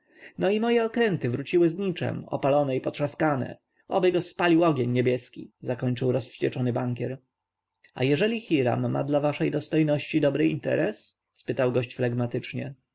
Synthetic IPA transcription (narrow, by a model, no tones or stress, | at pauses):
nɔimɔjɛɔkɾɛnt̪ɘvɾut͡ɕiwɘzɲit͡ʂɛ̰mɔ̰palɔnɛipɔt̪ʂaskanɛ̰ | ɔ̰bɘɡɔspalʲiwɔɡʲjeɲːebʲjɛskʲḭzakɔɲt͡ʂɘwɾɔsft͡ɕɛt͡ʂɔnɘbaŋkʲɛɾ | a̰jɛʐɛlʲixʲiɾa̰mːa̰d̪lavaʂɛjd̪ɔst̪ɔjnɔɕt͡ɕid̪ɔbɾɘḭnt̪ɛ̰ɾɛs | spɘt̪awɡɔɕt͡ɕflɛɡmat̪ɘt͡ʂɲɛ̰